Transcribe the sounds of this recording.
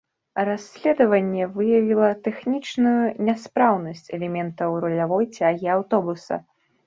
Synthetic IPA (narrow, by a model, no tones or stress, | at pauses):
rasʲlʲɛd̪ɐvɐnʲːɛvɨjɐvʲilˠɐt̪ɛxnʲit͡ʂnujunʲaspɾawnɐsʲt͡sʲɛlʲɛmʲɛnt̪ɐwrɔlʲavɔjt͡sʲaɣʲiawt̪ɔbusɐ̰